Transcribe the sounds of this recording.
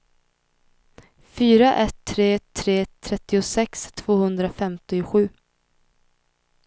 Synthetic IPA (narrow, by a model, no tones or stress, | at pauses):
fyːɾaʔɛt̪ʰːɾeːt̪ʰɾeːt̪ʰɾɛt̪ːɪʊsɛkst̪ʰv̥oːhɵnd̪ɾafɛmt̪ɪɧʉ̟ː